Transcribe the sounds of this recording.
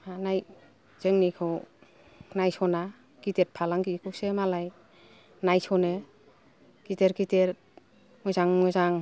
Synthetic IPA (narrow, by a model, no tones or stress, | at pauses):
anaj | z̥eŋnikʰɔw | najsɔna | kitet̚pʰalaŋkikʰuwsemalaj | najsɔne | kiteɾkiteɾ | mɔjzaŋmɔzaŋ